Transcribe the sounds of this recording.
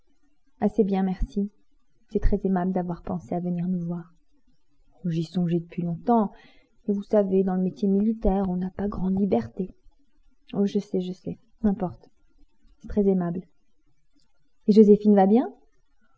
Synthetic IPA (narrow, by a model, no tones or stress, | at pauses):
asebjɛ̃mɛʁsi | sɛt̪χɛzemabld̪avwaʁpɑ̃seavəniʁnuvwaːʁ | ʒisɔ̃ʒed̪əpɥilɔ̃t̪ɑ̃ | evusaved̪ɑ̃ləmet̪jemilit̪ɛʁɔ̃napaɡʁɑ̃d̪libɛʁt̪e | ɔʒəsɛʒəsɛ | ɛ̃pɔʁt̪ | sɛ̥t̪χɛzemabl | eʒozefinvabjɛ̃